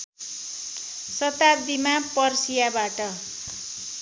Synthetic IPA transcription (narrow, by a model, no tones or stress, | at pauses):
sʌt̪ab̚d̪imapʌrsijabaʈʌ